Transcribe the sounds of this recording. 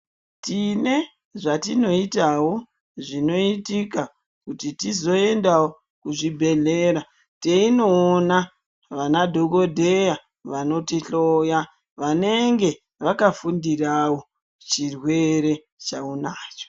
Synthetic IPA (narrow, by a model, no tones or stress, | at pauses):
tine̞ | ʐatino̞itawo̞ | ʐino̞itika | kutitizo̞e̞ndawo | kuʐibʱe̞ɮe̞ɾa | teino̞ːna | ʋanadʱo̞ɡo̞dʱe̞ja | ʋano̞tiɬoja | ʋane̞ŋɡe̞ | ʋakafundirawo̞ | t͡ʃirwe̞ɾe̞ | t͡ʃaunaːt͡ʃo̥